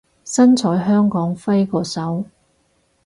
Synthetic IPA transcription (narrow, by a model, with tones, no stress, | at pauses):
sɐ˥nt͡sʰɔː˨˥jɦœː˥ŋkɔː˨˥ŋfɐ˥jkɔː˧sɐ˨˥w